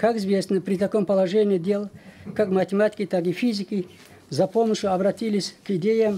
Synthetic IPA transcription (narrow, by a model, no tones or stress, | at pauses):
kakɪzvʲe̞snəpɾʲɪt̪ɐko̞mpəlˠɐʐɛnʲɪədʲe̞lˠkakmətʲɪmatʲɪ̥kʲɪt̪ak̬ifʲizʲɪkʲɪ | zɐpo̞məʂjʊɐbɾɐt̪ʲilʲɪsʲkɪdʲejəm